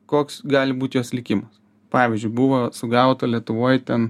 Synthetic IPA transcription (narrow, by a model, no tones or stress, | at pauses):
koːksɡɑːlʲɪbuːt̪ʲjoːslʲɪkʲɪmɐs | pɑːʋʲɪzʲd͡ʒʲʊɪbʊʋɐːsʊɡɐʊt̪olʲiɛt̪ʊʋoːjt̪ʲɛn